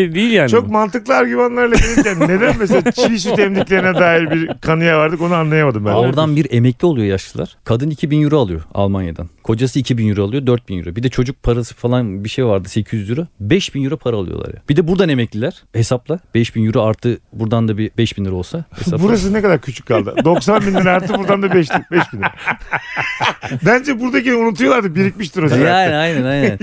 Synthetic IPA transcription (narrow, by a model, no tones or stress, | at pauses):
d̪ijilʲjaːnt͡ʃ̪ʰokmant̪ɯklˠɯaɾɟymanlˠaɾlˠaɡelʲicʰʲænne̞d̪ænmes̬elat͡ʃʰijs̬yt̪ʰɛmlʲiclʲeɾinɛd̪aːjiɾbiɾkʰanɯjavaɾd̪ɯko̞nuanlˠajamad̪ɯmbæoɾd̪anbiɾe̞mɛclʲiolˠujojaʃlˠɯlˠa̰ɾ̥kʰad̪ɯnicʰibinjyɾalˠɯjoa̰lˠmanja̰d̪ankʰo̞d͡ʒasɯːcʰibinjyɾalˠɯjo̞d̪øɾt̪̚binjy̰ɾubid̪ɛt͡ʃʰo̞d͡ʒuk̚pʰaɾasɯ̥falˠanbiʃejvaɾd̪ɯse̞cʰizjyɾubɛʃbinjyɾapʰaɾaːlˠɯjo̰lˠa̰ɾja̰b̥id̪ɛbuɾd̪ane̞mɛclʲilʲæɾ̥he̞saplˠab̥ɛʃbinjyɾuaɾt̪ʰːɯbuɾd̪and̪abibɛʃbinlʲˠɯɾo̞lsahesabuɾas̬ɯnɛkad̪aɾcʰyt͡ʃʰy̥c̚kʰːalˠd̪ɯ̰d̪o̞ksanbind̪iɾaɾt̪ʰɯbuɾd̪and̪abɛʃt̪ibɛʃbin | bænd͡ʒɛbuɾd̪acinunut̪ʰujolˠaɾd̪ɯbiɾicmiʃt̪iɾoziajnɛnajnnɛnajnn